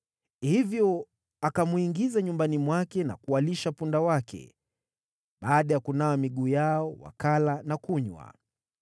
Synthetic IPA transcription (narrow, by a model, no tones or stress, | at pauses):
hivjɔ | akamwuiŋɡizaɲumbanimwakɛna̰kualiʃapundawakʰɛ̰ | ɓaːɗajakunawamiɠuːjaɔwa̰kalanakuɲwa̰